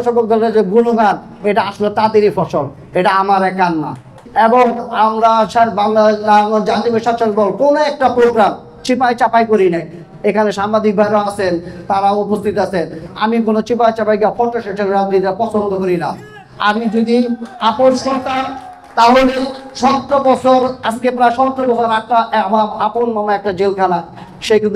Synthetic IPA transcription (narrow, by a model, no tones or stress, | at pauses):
ʃɔbod̪ʱaled͡ʑeɡunoɡan | eʈaaʃolet̪ad̪eɾifʰɔʃol | eʈaamaɾɛkːanːa̰ | eboŋamɾaʃbaŋd͡ʑat̪ibeʃaʃaɾbɔlkonoɛk̚ʈapɾoɡɾam | t͡ɕipajt͡ɕapajkoɾinaj | ekʰaneʃaŋbad̪ik̚bʱaɾaasʰent̪aɾaopost̪ʰit̪asʰena̰mikonot͡ɕipajt͡ɕapajkafʰɔʈːoʃet͡ʃʰelamiɾapɔt͡ɕʰond̪ʱokoɾina | a̰mid͡ʑod̪iapoʃkoɾt̪a | t̪aɦoleʃɔt̪ːobɔt͡ɕʰoɾaskepɾajʃɔt̪ːɾobɔsʰoɾakʈamaaponmamaɛk̚ʈad͡ʑelkʰala | ʃek̪